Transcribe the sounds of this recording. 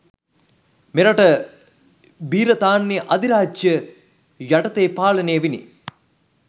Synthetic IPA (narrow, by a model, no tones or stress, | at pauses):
meɾaʈə | biːɾət̪aːnːiʔɐd̪iɾaːd͡ʒjə | jaʈɐt̪eːpaːlɐnejəʋinḭ